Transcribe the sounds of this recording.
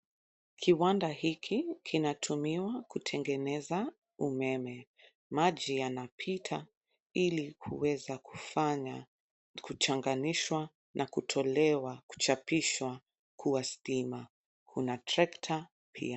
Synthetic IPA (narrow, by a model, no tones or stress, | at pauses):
kʰiwandahikʰikʰinatʰumiwakutʰɛŋɡɛnɛza | umɛmɛ | maʄijanapʰitʰa | ilikʰṵwɛzakua | kut͡ʃaŋɡaniʃwa | nʔakutʰɔlɛwaku̥t͡ʃapiʃwa | kʰuwastima | kʰunatɾɛktʰa | pʰḭa